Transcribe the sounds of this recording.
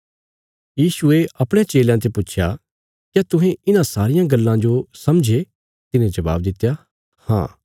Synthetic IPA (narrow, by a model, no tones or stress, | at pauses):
jiːsʊeɐpɽ̃ẽt͡ʃeːljãt̪̬epʊtːt͡ʃʰja̰ | kɛt̪ʊɦẽɪnãsaːɾɪjãɡɐlːãd͡ʒosɐmd͡ʒʱe | t̪ɪnẽd͡ʒɐʋa̰ːbd̪ɪt̪ːja | hã̰ː